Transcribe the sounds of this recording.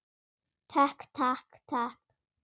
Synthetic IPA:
tʰakt̪ʰakt̪ʰak

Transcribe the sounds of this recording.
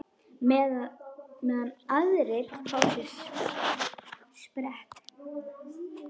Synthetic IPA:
mɛ | mɛðanaðɾɪɾ̥fʰawsjɛs | spɾɛht̪

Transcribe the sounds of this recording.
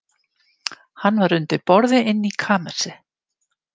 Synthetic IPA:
hanːvaɾʏnt̪ɪpɔɾðɪɪnːikʰaːmɛ̥sɪ

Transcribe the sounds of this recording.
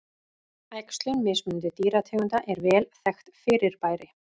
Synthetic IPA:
ajkst̪lʏnmɪsmʏnt̪ɪt̪iːɾat̪ʰɛːɣʏnt̪aʔɛɾvɛːlθɛxt̪fɪːɾɪɾ̥paːjɾɪ

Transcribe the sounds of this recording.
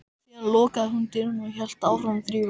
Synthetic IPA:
ianlɔːkaðɦʏnt̪ɪɾnʏçɛl̥t̪aːwfɾamθɾiː

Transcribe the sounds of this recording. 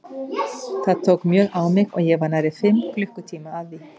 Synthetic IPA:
θaðt̪ʰowkmjœːɣawmɪɣɔ̰ɣjɛɣvaɾnaɾɪfɪmːklʏhkʏt̪ʰiːmaːðvi

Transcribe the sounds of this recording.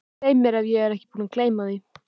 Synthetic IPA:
ejmɪɾavjɛɛɾɛhcɪ̥puːnakʰleːjmaði

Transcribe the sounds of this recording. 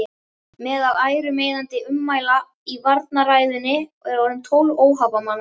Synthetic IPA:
mɛːðaðaːjɾʏmeːjðant̪ɪʔʏmːaːjla | ivaɾt̪̚naɾaːjðɪnːɪɛɾɔɾʏmt̪ʰoːwloːwɦawpamanː

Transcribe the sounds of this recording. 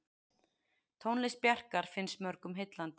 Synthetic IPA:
t̪ʰownlɪspjɛr̥kaɾ̥fɪnsmœɾkʏmɦejt̪lant̪ɪ

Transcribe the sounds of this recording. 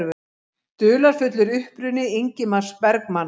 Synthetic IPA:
vʏ | t̪ʏːlaɾ̥fʏt̪lʏɾʏhpɾʏnɪiɲcɪmar̥spɛɾkman

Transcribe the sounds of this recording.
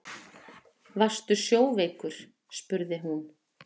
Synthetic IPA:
vast̪ʏsjoːwveːjkʏɾ̥ | spʏɾðɪɦun

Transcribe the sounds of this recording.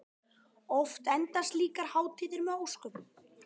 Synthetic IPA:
ɔft̪ɛnt̪ast̪liːkaɾ̥haːwt̪ʰiːðɪɾmɛðowskʏm

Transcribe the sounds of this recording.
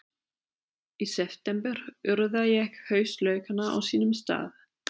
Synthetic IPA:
isɛft̪ɛmpɛɾ̥ʏɾðajɛɛhchœːɥst̪lœːɥkanːaʔa̰wsiːnʏmst̪a̰ːð

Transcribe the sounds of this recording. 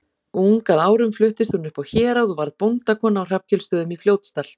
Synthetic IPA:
uŋkaðaːwɾʏmflʏht̪ɪst̪hunʏhpawçɛːɾaðɔvaɾðpownt̪akʰɔːnaːwr̥ap̚cʰɛlst̪œːðʏmifljoːwt̪st̪al̥

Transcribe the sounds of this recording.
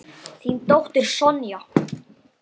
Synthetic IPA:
θint̪owht̪ɪɾ̥sɔnjɔ

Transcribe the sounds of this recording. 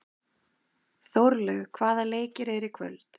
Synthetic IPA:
θowɾlɛɣkʰvaːðaleːjcɪɾɛɾɪkʰvœ̰lt̪

